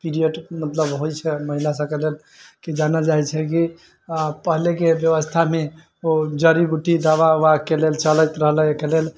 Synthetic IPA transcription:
piɾijəɖmət̪ləbɦojt͡ʃʰɛməɦilasə̃kelel | kid͡ʒanad͡ʒajt͡ʃʰɛki | pəɦlekebjəβəst̪ʰame | od͡ʒəɾibuʈid̪abaakelelt͡ʃələjt̪ɾəɦləkelel

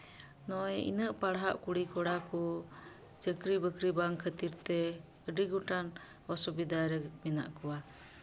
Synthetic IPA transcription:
nɔjḭnəʔpaɽɦa̰ʔkuɽikɔɽakɔ | t͡ʃəkɾibəkɾibaŋkʰət̪iɾt̪ɛ | əɖiɡɔʈan | ɔsubid̪ʱaɾɛmɛna̰ʔkɔwa

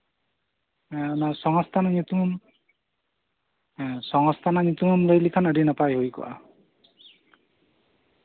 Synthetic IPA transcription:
nasɔŋɔst̪ʰanaɲut̪umm | sɔŋɔst̪ʰanaɲut̪umɔmlojlikʰanəɖinəpajɦojkɔ̰ʔa̰

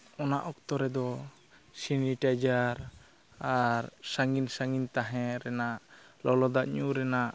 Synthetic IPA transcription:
ɔnaʔɔkt̪ɔɾɛd̪ɔ | siniʈajd͡ʒaɾ | aɾsaŋɡinsaŋɡint̪aɦɛ̃ɾɛnaʔlɔlɔd̪aʔɲuɾɛnaʔ

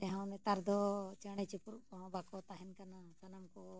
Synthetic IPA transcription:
t̪ɛɦãwnɛt̪aɾd̪ɔt͡ʃəɽ̃at͡ʃipuɾɔɦɔ̃bakɔt̪aɦɛnkanasanamkɔ

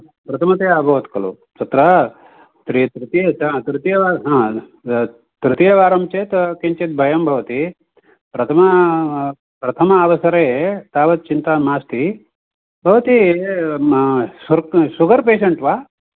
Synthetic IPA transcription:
pɾɐt̪ʰɐmɐt̪eːabʱɐʋɐt̪kɐlṵ | t̪ɐt̪ɾɐ | t̪ɾit̪ɾit̪ijɐt̪ɾɪt̪ijɐʋaːɦãː | t̪ɾɨt̪ijɐʋaːɾɐmt͡ʃeːt̪kiɲt͡ʃet̪̚bʱɐjɐmbʱɐʋɐt̪i | pɾɐt̪ʰɐmɐ | pɾɐt̪ʰɐmɐːʋɐsɐɾet̪aːʋɐt̪̚t͡ʃint̪aːmaːst̪i | bʱɐʋɐt̪i | suɾsuɡɐɾpeːʃɐɳʈʋaː

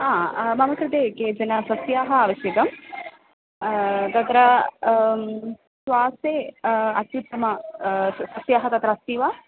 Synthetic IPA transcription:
ãːmɐmɐkɾɐd̪eːkeːd͡ʒɐnɐsɐsjaːɦɐaːʋɐʃjɐk̪ɐm | t̪ɐt̪ɾɐ | sʋaːseːɐt̪jut̪ːɐmɐ | sɐsjaːɦɐt̪ɐt̪ɾɐst̪iʋa

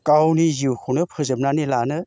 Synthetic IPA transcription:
kawniziwkʰɯwnɯpʰɯzɯp̚nanilanɯ

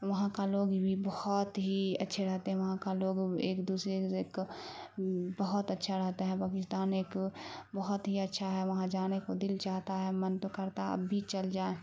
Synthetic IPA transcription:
ʋɐɦãkaloːɡbʱibəhʊt̪ɦiɐ̰tːʃʰeɾɛɦt̪eɦɛ̃ʋɐɦãkaloːɡeːkd̪uːsɾeeːk | bəɦʊt̪ətːʃʰaɾɛɦt̪eɦɛ̃paːkɪst̪aːneːkbəɦʊt̪ɦiɐtːʃʰaɦɛʋɐɦãd͡ʒaːnekod̪ɪlt͡ʃaːɦt̪aɦɛmənt̪okəɾt̪aə̰bʱːit͡ʃəld͡ʒaːe

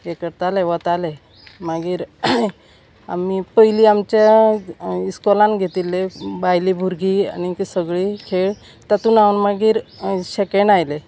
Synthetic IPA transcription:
jekəɾt̪aleʋət̪ale | maɡiːɾ | a̰mipəɦiliamt͡ɕja | iskɔlãnɡʱet̪ilːebajlibʱuɾɡiːa̰ñiksəɡɭiːkʰeɭ | t̪at̪uːnawənmaɡiːɾɕekeɳajle

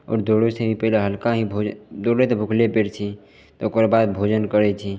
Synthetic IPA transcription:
ɔ̰ːɾd̪oːɽesebʱipɛɦleɦəlkaɦibʱod̪oːɽet̪ebʱʊkʰlepeɾt͡ʃʰi | t̪oʊkəɾbaːd̪bʱoːd͡ʒənkəɽɛt͡ʃʰi

